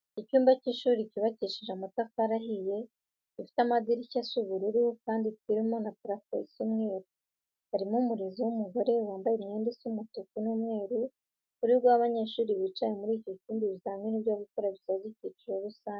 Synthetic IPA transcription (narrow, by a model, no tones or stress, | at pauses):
icuːmbaciːʃuːɾiciβaciʃiʒamutakaɾaɦije̞ | ifi̥tamaziɾicasuβuɾuɾiwokaːnditiɾimonatɾafḛsumŋe̞ːɾu | haɾimumuɾiziwumuɡo̞ɾe̞waːmbajemɲeːndesumutokunumŋe̞ːɾu | kuɾiɡwaβaɲe̞ʃuːɾiβiːt͡ʃajemuɾiːcociːndiβizaːmŋeniβjaβukoɾaβisaziciːt͡ʃuɾo̞ɾusaːɲe